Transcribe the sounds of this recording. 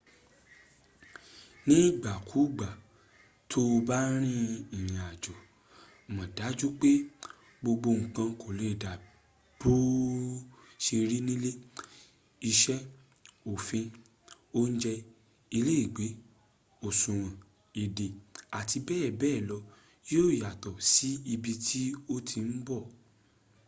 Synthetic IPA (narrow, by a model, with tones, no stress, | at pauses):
nĩ˦˨ɡ͡ba˨kʰu˨˦ɡ͡ba˨ | tʰo˦˧ba˦ɾ̃ĩ˦ĩ˨j̃ĩ˨a˨d͡ʒɔ˨ | mɔ̃˨da˨˦d͡ʒu˦k͡pe˦ | ɡ͡bo˧ɡ͡bo˧ŋ̩˨kã˧ko˨le˨˦i˨da˨ | b̥o˦ | ʃe˧ɾi˦nĩ˦le˦ | i˧ʃɛ˦ | o˨fĩ˧ | o˦n̩˦d͡ʒɛ˧ | i˧le˦i˦˨ɡ͡be˨˦ | o˨sũ˨w̃ã˨ | e˨de˨a˨ti˧bɛː˦˨bɛː˦˨lɔ˧ | jo˦o˦˨ja˨tɔ˨si˨˦i˧bi˧tʰi˦o˦tʰi˧n̩˦bɔ˦˨